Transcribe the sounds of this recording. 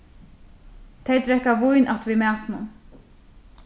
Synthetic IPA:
t̪ʰejt̪ɾɛhkːavujnʔat̪vimæːt̪nʊ̰n

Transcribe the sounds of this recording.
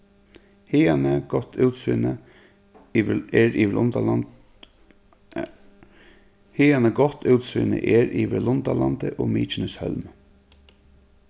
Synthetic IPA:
hɪːanəɡɔt̪ʰːʉːt̪sɪnə | ɛɾiʋɪlʔʊnt̪a | hɪːanəɡɔt̪ʰːʉwt̪sʋɪ̰nə̰ʔɛɾiːʋɪlʊnt̪alant̪əʔɔmiːt͡ʃɪnəshœ̰lm

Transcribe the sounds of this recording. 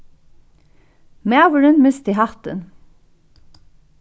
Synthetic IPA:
mæʋəɹənmɪst̪iɦɑt̪ə̰n

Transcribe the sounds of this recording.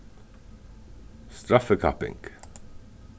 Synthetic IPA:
st̪ɾɑfəkʰɑ̰pɪ̰ŋɡ̥

